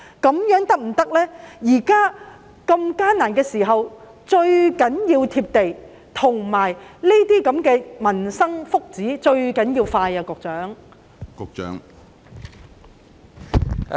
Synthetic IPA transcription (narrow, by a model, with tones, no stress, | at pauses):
kɐ˨˥mjœː˨˥ŋt̪ɐ˥k̚m̩˨˩t̪ɐ˥k̚lɛː˥jiː˨˩kaː˥ | kɐ˧mkaː˥naː˨˩nkɛː˧siː˨˩ɦɐ˨w | t͡ʃɵ˧ɥkɐ˨˥njiː˧wt̪ʰiː˧p̚t̪e˨j | t̪ʰʊ˨˩ŋmaː˨˩jle˥t̪iː˥kɐ˨˥mkɛː˧mɐ˨˩nsɐ˥ŋfʊ˥k̚t͡siː˨˥t͡ʃɵ˧ɥkɐ˨˥njiː˧wfaː˧jaː˧kʊ˨˧k̚t͡sœː˨˥ŋ | kʊ˨˧k̚t͡ʃœ̰ː˨˥ŋ